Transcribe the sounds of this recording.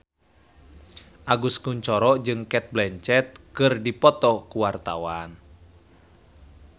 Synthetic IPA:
ʔaɡuskuɲt͡ʃɔɾɔd͡ʒɨŋkɛt̪̚blɛɲt͡ʃɛt̪̚kɨrdipɔt̪ɔkuwart̪a̰wan

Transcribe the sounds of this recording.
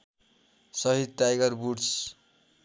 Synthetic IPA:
sʌɦid̪̚ʈajɡʌrbuɽs

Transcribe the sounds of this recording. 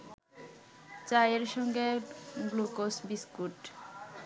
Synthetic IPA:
t͡ɕajeɾʃɔŋɡeɡlukosbiskuʈ

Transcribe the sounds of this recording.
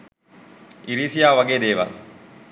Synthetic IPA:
iɾiːsijaːʋaɡeːd̪eːʋɐ̰l

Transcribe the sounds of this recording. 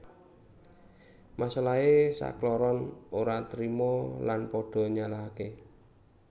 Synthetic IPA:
masalaɦesa̰klɔɾɔnoɾat̪ɾimɔlanpɔɖ̥ɔ̤ɲalaɦake

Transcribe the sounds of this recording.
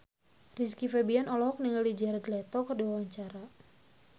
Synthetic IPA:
riskifɛbianɔlɔɦɔk̚niŋaldid͡ʒɛɾɛd̪lɛt̪ɔkərduwawaɲt͡ʃaɾa

